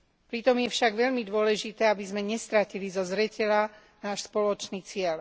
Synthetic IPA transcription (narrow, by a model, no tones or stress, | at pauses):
pɾit̪ɔmjɛfʃaɡʋɛʎmid̪ʊɔlɛʒit̪ɛːabizmɛɲɛst̪ɾacilizɔzɾɛcɛla | naːʃspɔlɔt͡ʃniːt͡sɪɛl